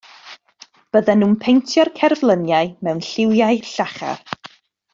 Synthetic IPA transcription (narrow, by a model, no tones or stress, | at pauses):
b̥əðɛnuːnpʰejntʰjɔrkʰɛrvlˠənjaɨmɛwnɬɪwjaɨɬaχa̰r